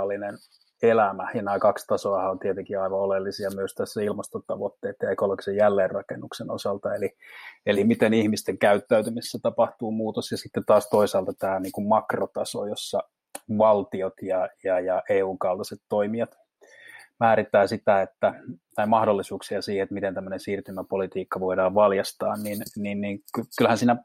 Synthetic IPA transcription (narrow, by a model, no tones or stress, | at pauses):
lːinen | elæmæjɑnæːkɑkst̪ɑsoɑhɑont̪iet̪eŋkiɑiʋɑolelːisiɑmyøst̪æsːæilmɑst̪ot̪ɑʋot̪ːeːt̪jɑekoloki̥sejjælːeːrrɑkenːukseno̰sɑlt̪ɑelielimit̪enihmist̪eŋkæyt̪ːæyt̪ymisːæt̪ɑpɑht̪uːmuːt̪osjɑsit̪ːet̪ɑːst̪oisɑːlt̪ɑt̪æːniːŋkummɑkrot̪ɑso̰ːjosːɑ | ʋɑlt̪iot̪jɑjɑjɑʔeːuːŋkɑlt̪ɑset̪toimiɑt̪ | mæːɾit̪ːˑæːsit̪æet̪ːæt̪ɑimɑhɾolːisuːksiɑsiːheet̪mit̪ent̪æmːønensiːrt̪ymæpolit̪iːkːɑʋoidɑːʋʋɑljɑst̪ɑːnninninniːŋkykylhænsiːnæ